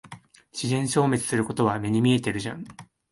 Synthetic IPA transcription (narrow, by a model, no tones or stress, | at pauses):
ɕizẽ̞ɰ̃ɕo̞ːme̞t͡sɨ̥sɨɾɯ̟ko̞t̪o̞βame̞ɲ̟imʲie̞t̪e̞ɾɯ̟ʑã̰ŋ